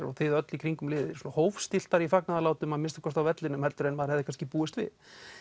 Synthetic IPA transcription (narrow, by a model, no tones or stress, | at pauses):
ɾɔ̰ɣθɪðœt̪likʰɾiŋkʏmlɪːðɪsɔːnahowfst̪ɪl̥t̪aɾifaknaðalaːwt̪ʏmaðmɪnst̪ḁkʰɔst̪awvɛt̪lɪnʏmhɛlt̪ʏɾɛnmaðɾhɛðɪkanscɪpuːɪst̪vɪ̰ð